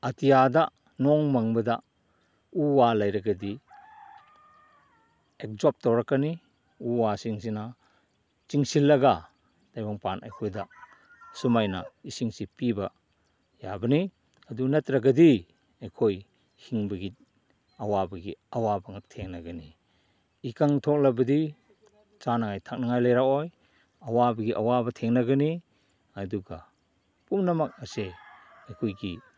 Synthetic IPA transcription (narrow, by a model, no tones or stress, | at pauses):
ɐtijada | nɔŋmaŋbɐda | uwalajɾɐɡɐdi | ek̚zop̚tawɾakːani | uwasiŋsina | t͡ʃiŋsilːɐɡa | d̥ajbaŋpanʔa̰jkʰojda | sumajnaisiŋsipibɐ | jabɐni | ɐdunatɾaɡɐdi | ajkʰoj | hiŋbɐɡit̚ | ɐwabɐɡiɐwabɐŋatʰeŋnaɡani | ikaŋtʰɔk̚labɐdi | t͡ʃanaŋajtʰak̚naŋajlajɾakoj | ɐwabɐɡiʔɐwabɐtʰeŋnaɡɐni | ɐduɡa̰ | pumnɐmak̚ase | ajkʰojɡi